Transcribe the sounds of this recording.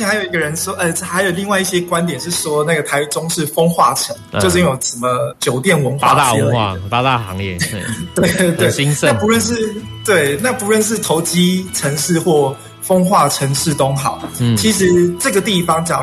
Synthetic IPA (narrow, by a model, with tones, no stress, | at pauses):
xa˧˥jo˨ʊi˧ɡə˨ɻə˧˦nʂwɔ˦˥ʔə˨˩xa˧˥ɪjo˨˩ʊli˥˧ŋwa˥˧ɪi˥˩ɕjɛ˦˥kwa˦nt̪̬jɛ˨˩nʂɻ̩˥˩ʂwɔ˦˥na˥˩ɡə˩t̪ʰa˧˥ɪʈ͡ʂʊ˦ŋʂɻ̩˥˩fo˥ŋxwa˥˩ʈ͡ʂʰə˧˥ŋjo˥˧ʊ˥˩jo˨˩ʊʂə˨˩mə˦t͡ɕjo˨˩ʊt̪jɛ˥˩nwə˧˥nxwa˥˧a˥˨i˥lpa˧˦t̪a˥˩ɑ˧˦ŋɛ˥˩t̪we˥˩ɪt̪we˥˩ɪi˥ŋna˥˩pu˧˦ɻə˥˧nʂɻ̩˥˩ | t̪we˥˩ɪna˥˩pu˨˧˦ɻə˥˧nʂ̬ɻ̩˥˩t̪ʰo˧˥ʊt͡ɕi˥ʈ͡ʂʰə˧˥ŋʂɻ̩˥˧xwɔ˥˩ | fo˥ŋxwa˥˩ʈ͡ʂʰə˧˥ŋʂɻ̩˥˩t̪o˥ŋxɑ˨˩˦ʊ˩t͡ɕʰi˧˥ʂ̬ɻ̩˧˥ʈ͡ʂə˥˩ɡə˩t̪̬i˥˩fɑ˩ŋt͡ɕjɑ˨˩